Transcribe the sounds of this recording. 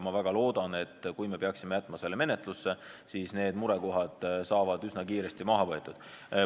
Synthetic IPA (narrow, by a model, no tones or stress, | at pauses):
mɑvæɡ̥ɑlo̞ːd̪̥ɑne̞t̪ːkujme̞peɑksimejæt̪ːˑmɑse̞lːeme̞ne̞t̪ˑlusːe̞siːsne̞ːd̪muɾe̞ko̞ɦɑd̪̥sɑːvɑd̪̥ysnɑkiːɾe̞st̪imɑɦɑvɤet̪ːˑud̪̥